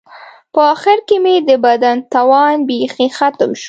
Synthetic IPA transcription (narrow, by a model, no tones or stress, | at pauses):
pəɑxɪɾkemed̪əbad̪ant̪awɑnbexixat̪əmʃ